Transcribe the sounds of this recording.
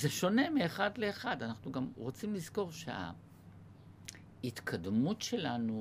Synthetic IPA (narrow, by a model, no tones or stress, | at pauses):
zeʃo̞ne̞miːχadle̞ːχadanaχnuɡamʁot͡simlizko̞ʁʃea̰ | hit̪kʰadmutʃe̞lanu